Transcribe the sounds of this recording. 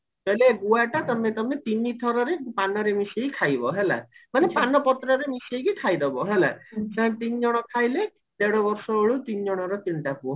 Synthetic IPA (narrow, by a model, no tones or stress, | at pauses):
t̪ɔlebuaʈat̪ɔmet̪ɔmet̪init̪ʰɔɾɔɾepanɔɾemisejkʰajbɔɦela̰manepanɔpɔt̪ɾɔɾemisejkikʰajd̪ɔbɔɦela̰sãt̪ind͡ʒɔɽ̃ɔkʰajle | d̪eɽɔbɔɾsɔoɭut̪ind͡ʒɔɽ̃ɔɾɔt̪inʈapuɔ